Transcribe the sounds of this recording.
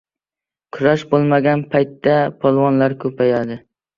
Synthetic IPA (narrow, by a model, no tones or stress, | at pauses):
kʰʊɾaʃbolˠmaɡʲanpʰajt̪ːapʰɒlˠvɒnlaɾkʰɵpʰajad̪ɪ